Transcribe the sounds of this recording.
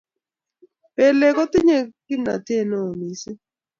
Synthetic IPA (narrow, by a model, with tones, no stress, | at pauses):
pe˨le˨ko˦t̪ɪ˦ɲe˦˨kɪ˦na̰˨tje˦˨nɔ˦o˨mi˨sɪ˦